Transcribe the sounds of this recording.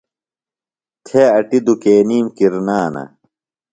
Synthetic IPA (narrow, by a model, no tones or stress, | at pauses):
t̪ʰeɐʈid̪ukeːniːmkiɾnaːnɐ̰